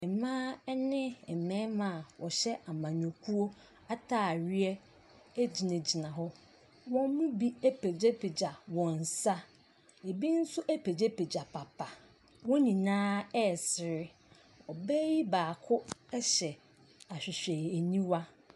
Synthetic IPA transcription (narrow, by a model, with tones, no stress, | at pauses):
ɛ˨mãː˦nɪ̃˦ɛ˨mɛ̃˦mã˨wɔ˨ɕɛ˦ʔa˨mã˨ɲɔ̃˨kʰu˦o˦ | a˦tʰaː˦˨ɥi˦ɛ˦ | æ˦d͡ʑi˨nɪ̃˨d͡ʑi˨nã˨ɦʊ˦ | wɔ̃˦m˦mũ˦bi˦æ˦pʰe˨d͡ʑe˦pʰe˨d͡ʑa˨wɔ̃˨n˨sa˦ | e˨bi˦n̩˦sʊ˦ʔæ˦pʰe˨d͡ʑe˦pe˨d͡ʑa˨pʰa˨pʰa˨ | wɔ̃˦ɲĩ˨nãː˦ɛ˦˨sɪ˨ɾɪ˦ | ɔ˨bɛ˦ji˦baː˨kʰʊ˦ɛ˦ɕɛ˨ | a˨ɕᶣɪ˨ɕᶣɛ˨æ˨ɲĩ˦wa˦